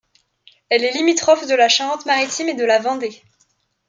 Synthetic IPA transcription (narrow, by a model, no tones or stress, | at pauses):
ɛlɛlimit̪χɔfd̪əlaʃaʁɑ̃t̪maʁit̪ʰimed̪əlavɑ̃d̪e